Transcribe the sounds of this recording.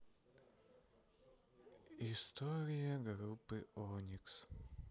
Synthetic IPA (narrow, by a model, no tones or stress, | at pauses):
ist̪ɔɾʲijɐɡɾupːɨʔɔnʲiks